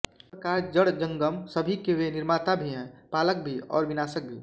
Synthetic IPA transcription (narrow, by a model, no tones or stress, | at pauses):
əkaːɾd͡ʒəɽd͡ʒə̃ŋɡəmsəbʱikeweniɾmat̪abʱiɦɛ̃paːlək̚bʱiɔ̰ːɾʋinaːsək̚bʱi